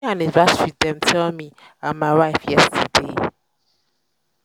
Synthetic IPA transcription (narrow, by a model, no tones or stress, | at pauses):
ãnivaswiðɛ̃mtʰɛlmi | ãnmaɪwaɪfjɛstʰədḛ